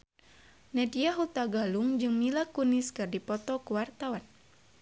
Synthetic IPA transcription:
nɛdijaɦut̪aɡaluŋd͡ʒɨŋmilakuniskɨrdipɔt̪ɔkuwart̪awan

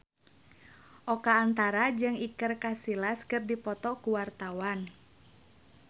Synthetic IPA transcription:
ʔɔkaːnt̪aɾad͡ʒɨŋikərkasilaskɨrdipɔt̪ɔkuwart̪awan

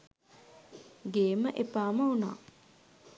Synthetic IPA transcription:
ɡeːməʔepaːmɐuna̰ː

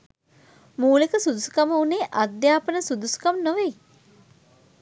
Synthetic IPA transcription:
muːlikəsud̪usu̥kaməuneːʔad̪jaːpənəsud̪usu̥kamnoʋej

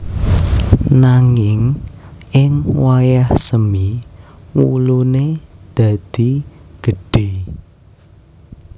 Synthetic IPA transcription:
naŋɪŋʔɪŋwajahsəmiwṵluned̪̥a̤d̪̥iɡ̥ə̤ɖ̥e

